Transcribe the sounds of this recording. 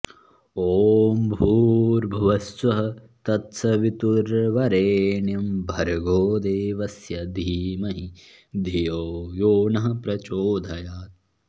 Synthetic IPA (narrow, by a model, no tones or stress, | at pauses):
oːmbʱuːɾbʱɐʋɐsʋɐɦɐ̆ | t̪ɐt̪sɐʋit̪uɾʋɐɾeːɳjɐmbʱɐɾɐɡoːd̪eːʋɐsjɐd̪ʱiːmɐɦi | d̪ʱijoːjoːnɐɦɐ̆pɾɐt͡ʃoːd̪ʱɐjaːt̪̚